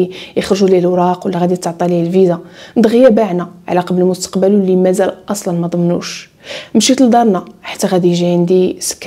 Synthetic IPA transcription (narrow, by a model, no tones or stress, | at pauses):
ijəxɾʒulihəlwɾˤɑqwəlːæɣæd̪it̪ːʕt̪ˤɑlihəlvizænd̪ɣjæbaʕnæʕa̰læqɑbləlmʊst̪ə̥qbəlwlːimæzælʔɑsˤlɑnmæd̪ˤəmnṵʃ | mʃit̪əld̪ˤɑɾˤnæħḁt̪ːæɣæd̪ijʒiʕənd̪isə̥kː